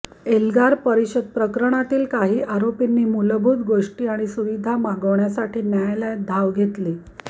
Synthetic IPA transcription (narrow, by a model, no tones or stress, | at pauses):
elɡaɾpəɾiɕəd̪̚pɾəkɾəɳ̃at̪iːlkaɦiːʔaɾopinːiːmuləbʱut̪ɡoʂʈiːaɽ̃isuʋid̪ʱamaɡəʋɳjasaʈʰiːnjajlad̪ʱaʋɡʱet̪liː